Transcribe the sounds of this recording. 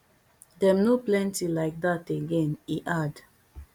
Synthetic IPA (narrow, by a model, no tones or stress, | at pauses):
dɛ̃mnoplɛ̃ntilaɪk̚dateɡɛ̃niʔad